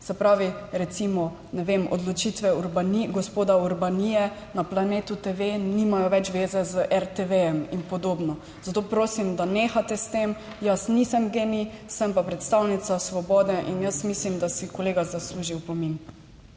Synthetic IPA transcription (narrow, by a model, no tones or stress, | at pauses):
sɛpɾaːʋiɾɛt̪simɔ | nɛʋemɔ̰d̪lɔt͡ʃit̪ʋɛuɾbaniɡɔspoːd̪auɾbanijɛ | naplaneːt̪ut̪eʋenimajɔʋɛt͡ʃʋeːzɛzəʔɛɾt̪eʋejɛminpɔd̪oːbnɔ | zat̪oːpɾoːsimd̪aneːxat̪ɛst̪em | jəsnisəmɡeːmisəmpapɾɛt̪st̪awnit̪sasʋɔbɔːd̪ɛʔinjəsmislimd̪asikɔleːɡazasluːʒiwpɔmin